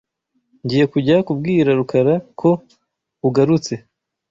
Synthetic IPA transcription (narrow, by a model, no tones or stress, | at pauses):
ɲɟiːje̞kuɟakub̚ɡiːɾaɾukaɾakʰo̞ | uɡaɾut͡se̞